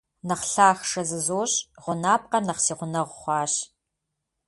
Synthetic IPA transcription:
nɐχɬaːxʂɐzɨzoːɕʁʷʊnaːp̚qɐrnɐχsiːʁʷʊnɐʁʷχʷɑːɕ

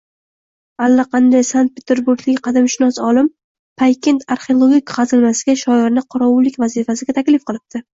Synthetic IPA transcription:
alːaqʰɑnd̪ajsant̪̚pʰʲet̪ʰeɾbuɾɡʲlɪkʲqʰɑd̪amʃɪnɒsɒlˠɪm | pʰajkʲe̞nt̪ʰaɾχeolˠoɡʲikʲqɑzɪlmasɪɡʲaʃɒɪɾnɪqʰɒɾɒwʊlːɪkʲvazifas̬ɪɡʲat̪ʰakʲlɪfqɨlˠɪp̚t̪ɪ

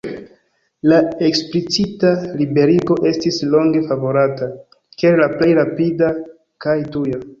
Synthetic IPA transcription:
lae̞ksplit͡sitalibe̞ɾiɡo̞ʔe̞stislo̞ŋɡe̞favo̞ɾata | keɾlaplejɾapida | kajtuja

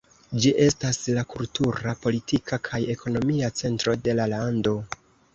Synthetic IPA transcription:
d͡ʒiʔe̞staslakultuɾapo̞litikʰakʰaje̞kʰo̞no̞miat͡se̞ntɾo̞de̞lalando̞

